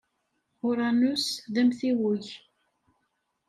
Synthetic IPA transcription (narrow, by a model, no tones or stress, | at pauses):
ʊɾˤanusðæmθiwʊç